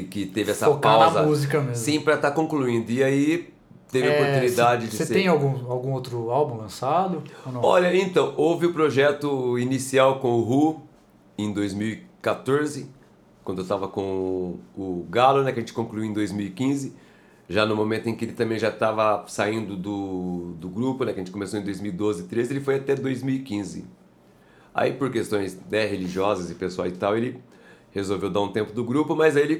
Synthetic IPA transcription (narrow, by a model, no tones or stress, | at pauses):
kɪt̪evɪɛsɐopaw̪amzɐmuzikɐmeszĩpɾɐt̪akõkluĩnd̪ʊɪai | t̪evvɪopoɾt̪ũnid̪ad͡ʒɪd͡ʒɪsesẽj̃awɡũawɡũowt̪ɾʊawbũlɐ̃sad̪ʊoñɔʎɐẽnt̪ɐ̃w̃owvɪʊpɾoʒɛt̪ʊinisiawkõʊɦu | ẽj̃d̪ojzmiwikat̪oɾzɪ | kwɐ̃d̪ʊewst̪avɐkõʊɡalonɛkɪɐʒẽnt͡ʃɪ̥kõkluiuẽd̪ojzmiwikĩzɪ | ʒanʊmõmẽnt̪ʊẽkɪelɪt̪ɐ̃mbẽj̃ʒat̪avɐsaĩnd̪ʊd̪ʊd̪ʊɡɾupʊnɛkɐʒẽt͡ʃɪ̥komesoẽd̪ojzmiwid̪ozɪt̪ɾezɪelɪfojat̪ɛd̪ojzmiwikĩzɪ̰ | a̰ipoɾkest̪õj̃snɛɦeliʒiɔzɐzɪpesua̰wɪt̪awelɪ | hezowvewd̪aɾũt̪ẽmpʊd̪ʊɡɾupʊmɐzelɪ